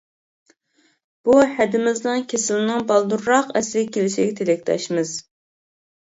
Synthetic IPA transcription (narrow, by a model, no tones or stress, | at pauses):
b̥uhɛd̪ɪmɪznɨŋkʲʰesɪlnɨŋbɑlˠd̪uɾːɑqɛslɪɡʲɛkʲʰelɪʃiɡʲɛt̪ʰelɪk̚ʲt̪ʰɛ̰ʃmɨz̥